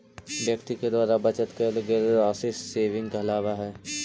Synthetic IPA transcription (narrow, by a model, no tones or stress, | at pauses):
bjəkt̪iked̪aːɾabɐt͡ʃət̪keləɡelɾaːsɪsseːʋɪ̃ŋɡkeɐlaːʋaɦɛː